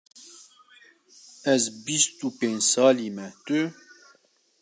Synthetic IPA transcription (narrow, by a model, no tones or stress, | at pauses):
ɛzbist̪upeɲsɑːlimɛt̪y